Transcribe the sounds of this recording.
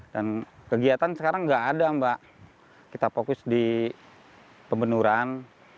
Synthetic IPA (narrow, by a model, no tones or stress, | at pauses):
dankəɡiat̪ansəkaɾaŋɡaʔːdambaʔ | kit̪apokʊsdi | pəmbənuɾan